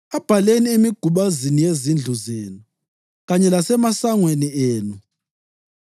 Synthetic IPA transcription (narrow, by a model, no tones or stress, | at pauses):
ab̥ʱaleniemiɡ̥ʱuɓazinijezind͡ɮʱuzeːnu | ɣaɲɛlasɛmasaŋwenieːnu